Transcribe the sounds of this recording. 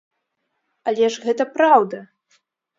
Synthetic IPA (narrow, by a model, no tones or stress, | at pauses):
ɐlʲɛʂɣɛt̪ɐpɾawd̪ɐ